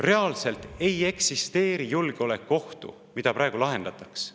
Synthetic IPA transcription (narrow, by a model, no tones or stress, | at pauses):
re̞ɑlse̞lt̪e̞je̞ksist̪e̞ːɾijulɡ̥eo̞le̞kːo̞ht̪ṵ | mid̪̥ɑpɾʔɑe̞ɡulɑɦe̞nd̪̥ɑt̪ˑɑks